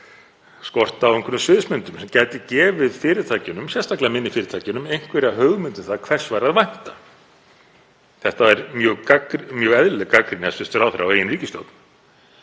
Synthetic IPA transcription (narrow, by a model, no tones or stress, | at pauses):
skɔr̥t̪aːwejŋkvʏɾʏmsvɪðsmʏnt̪ʏmsɛmcaːjt̪ɪcɛːvɪðfɪːɾɪt̪ʰaːcɪnʏmsjɛst̪aklamɪnːɪfɪːɾɪt̪ʰaːcɪnʏmejŋ̥kvɛːɾaɦœɣmʏnt̪ɪnθaðkʰvɛr̥svaːɾaðvajn̥t̪ḁ | θɛht̪aɛɾmjœːɣakmjœːɣɛðlɛkakɾinasɪst̪ʏɾawθɾʔaːwejɪnriːcɪst̪o̰wt̪n